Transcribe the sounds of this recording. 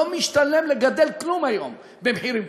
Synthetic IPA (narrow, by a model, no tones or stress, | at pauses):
omiʃt̪alːemleɡad̪elklumajo̰m | bemħiɾim